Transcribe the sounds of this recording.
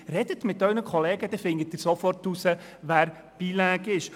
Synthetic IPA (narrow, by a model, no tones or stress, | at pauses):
rɛdətmɪtœɥnəkχɔleːɡəd̥̪ɛfɪnɡət̪ːɪɾsɔfɔrtːusə | ʋæːɾ | b̥iːlæːɡɪʃ